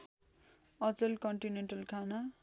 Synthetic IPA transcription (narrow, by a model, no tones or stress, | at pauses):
ʌt͡sʌlkʌɳʈineɳʈʌlkʰana